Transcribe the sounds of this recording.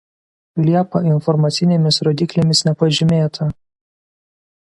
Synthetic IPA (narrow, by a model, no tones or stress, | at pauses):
lʲiɛpɐɪnfɔɾmɐt̪sʲɪnʲeːmʲɪsɾɔːd̪ʲɪklʲemʲɪsnʲɛpɐʒʲɪmʲeːt̪ʰɐ